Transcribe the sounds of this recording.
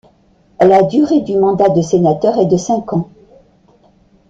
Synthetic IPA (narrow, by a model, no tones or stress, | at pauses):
lad̪yʁed̪ymɑ̃d̪ad̪əsenat̪œʁɛd̪əsɛ̃kɑ̃